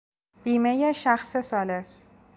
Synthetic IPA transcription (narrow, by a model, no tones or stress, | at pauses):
b̥iːmejeʃæxsesɒːles